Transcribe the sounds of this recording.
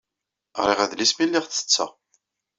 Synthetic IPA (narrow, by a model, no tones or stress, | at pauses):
ʁɾiʁæðlismilːiʁθə̥t͡sːæ̰